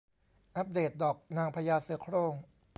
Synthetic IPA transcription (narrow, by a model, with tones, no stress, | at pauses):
ʔa˦˥p̚deː˨˩t̪̚dɔː˨˩k̚naː˧ŋpʰa˧jaː˧sɯ˨˩˦ɐkʰɾoː˥˩ŋ